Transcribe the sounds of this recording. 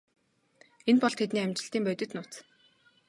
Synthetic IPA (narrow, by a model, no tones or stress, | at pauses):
enpɔɮt̪ʰet̪niːamʲt͡ɕɪ̆ɬt̪iːmpœt̪ɪ̆t̪nʊːt͡s